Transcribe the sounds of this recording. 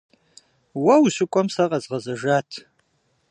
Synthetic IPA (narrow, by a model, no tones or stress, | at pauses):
wɐwɕɨkʷʼɔmsɐqɐzʁɐzɐʒaːtʰ